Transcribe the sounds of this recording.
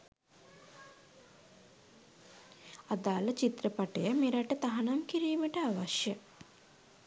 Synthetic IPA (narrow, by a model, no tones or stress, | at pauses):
ad̪aːlət͡ʃit̪ɾəpaʈəjəmeɾaʈət̪aɦanamkiɾiːməʈəaʋaʃjə